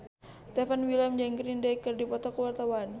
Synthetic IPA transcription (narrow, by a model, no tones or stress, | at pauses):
st̪ɛfanwilamd͡ʒɛŋɡɾindɛjkːərdipɔt̪ɔkəwart̪awan